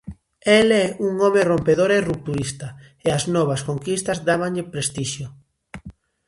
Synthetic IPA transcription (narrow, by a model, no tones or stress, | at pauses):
elɛuŋɔmerompeðoɾerup̚t̪uist̪ɐ | eaznɔβ̞ɐskoŋkist̪ɐzd̪aβaɲʎɪpɾest̪iʃjo